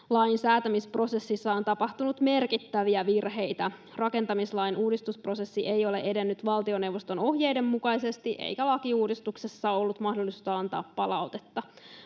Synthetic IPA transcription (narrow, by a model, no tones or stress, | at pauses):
lɑjnsæːt̪æmispro̞se̞sːisːɑo̞nt̪ɑpɑht̪unut̪me̞rkit̪ːæʋiæʋirɦe̞jt̪æ | rɑke̞nt̪ɑmislɑjnʔuːdist̪uspro̞se̞sːiʔejo̞le̞ʔe̞de̞nːyt̪ʋɑlt̪io̞ne̞wʋːost̪ono̞hje̞jde̞mːukɑjse̞st̪iʔḛjkælɑkiuːdist̪uksesːɑo̞lːut̪mɑhdolːˑisu̥t̪ɑɑnt̪ɑ̰ːpːɑlɑwt̪et̪ːɑ